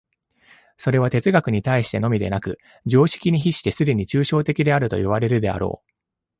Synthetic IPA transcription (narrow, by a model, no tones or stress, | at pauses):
so̞ɾe̞β̞at̪e̞t͡sɨɡakɯ̟ɲ̟it̪aiɕi̥t̪e̞no̞mʲid̪e̞̰nakɯ̟ | d͡ʑo̞ːɕi̥kʲiɲ̟içiɕi̥t̪e̞sɨd̪e̞ɲ̟it͡ɕɨːɕo̞ːt̪e̞kʲid̪e̞aɾɯ̟t̪o̞̰iβ̞aɾe̞ɾɯ̟d̪e̞a̰ɾo̞̰ː